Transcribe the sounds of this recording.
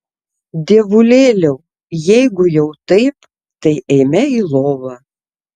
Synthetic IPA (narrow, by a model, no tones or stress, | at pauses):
d̪ʲeːʋʊlʲeːlʲɛʊ | jɛɪɡʊjɛʊt̪ɐɪp | t̪ɐɪʔɛɪmʲɛiːlˠoːʋɐː